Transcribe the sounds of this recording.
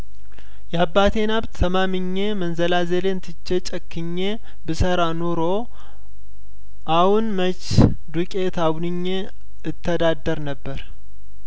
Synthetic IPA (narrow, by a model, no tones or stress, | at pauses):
jɛabːat̪ʰe̞nabt̪ʰːəmamɨɲːe̞mənzəlazelent̪ʰɨt͡ʃːet͡ʃʼəkːɨɲːe̞ | bɨsəɾanoɾo̞ | ʔahunmət͡ʃ | d̪ukʼet̪ʰawnɨɲːe | ɨt̪ʰːəd̪ad̪əɾnəbːəɾ